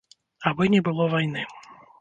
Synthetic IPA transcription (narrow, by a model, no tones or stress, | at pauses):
abɨnʲɛbɨlˠɔvajnɨ